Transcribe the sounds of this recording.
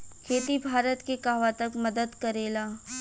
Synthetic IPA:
kʰeːt̪ibʱaːɾət̪kekaːʋat̪ɐkmɐd̪əd̪kɐɾeːlaː

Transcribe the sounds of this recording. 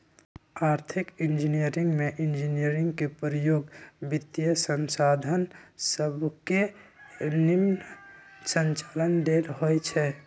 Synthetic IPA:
aːɾt̪ʰɪkɪ̃nd͡ʒinijəɾɪ̃ŋɡmẽʔɪnd͡ʒinijəɾɪ̃ŋɡkepɾəjoːɡbɪt̪ijəsənsaːd̪ʱənsəbʱke | nɪm | sə̃nt͡ʃaːlənd̪eːlɦoet͡ʃʰɛː

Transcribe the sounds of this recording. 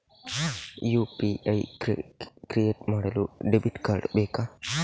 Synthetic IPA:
jupiaj | kɾieːʈmaɽɐluɖebiʈkaɾɖbeːka

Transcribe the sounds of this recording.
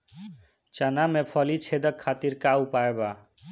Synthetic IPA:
t͡ʃanamepʰʌlit͡ʃʰed̪ʌkʰːat̪iɾkaupaeba

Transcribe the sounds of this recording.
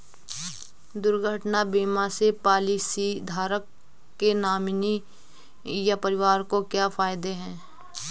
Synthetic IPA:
d̪ʊɾɡʱəʈnabiːmasepaːlisid̪ʱaːɾəkː | enaːmni | japəɾɪʋaːɾkokjafʰaːɪd̪eɦɛ̃ː

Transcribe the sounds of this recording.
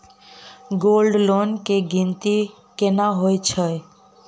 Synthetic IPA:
ɡolɖlonkeɡint̪i | kenaɦoet͡ʃʰə

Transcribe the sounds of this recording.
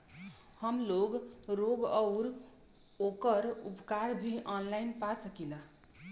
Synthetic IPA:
həmloɡɾoɡɔʊɾ | okəɾṵpkaɾbʱiʔɔnlajnpasəkila

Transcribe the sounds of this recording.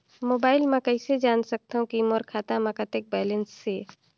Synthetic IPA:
moːbaːɪlmãkɐɪsed͡ʒaːnsɐk̚t̪aɦũkimoːɾkʰaːt̪amɐkat̪ek̚bɛːlensːeː

